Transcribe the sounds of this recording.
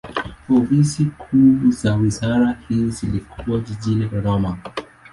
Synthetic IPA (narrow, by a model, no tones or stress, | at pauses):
pɔfisikʰuːzawizaɾahiizilikʰuad͡ʒiʄiniɗɔɾɔma